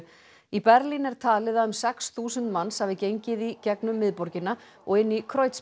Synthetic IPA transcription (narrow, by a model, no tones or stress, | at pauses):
ipɛɾlinɛɾ̥t̪ʰaːlɪðaʏmsɛksθuːsʏnt̪mansavɪcejɲcɪðicɛknʏmːɪðpɔɾcɪnːa | ɔɣɪnːikʰɾoːjt̪s